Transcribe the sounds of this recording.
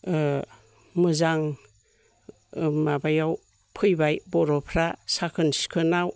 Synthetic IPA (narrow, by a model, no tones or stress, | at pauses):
mɯzaŋ | mabajaw | pʰɯjbajbɔɾɔpʰɾasakʰɯnsi̥kʰɯnaw